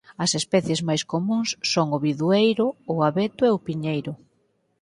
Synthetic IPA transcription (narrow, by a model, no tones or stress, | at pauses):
ɐsespɛθjezmajskomũŋsːoŋʊβiðuejɾʊːaβɛt̪ʊeʊpiɲejɾʊ